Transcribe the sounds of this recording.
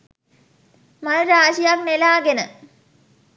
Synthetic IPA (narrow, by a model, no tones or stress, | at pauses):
mɐnɐɾaːɕijak̚nelaːɡenə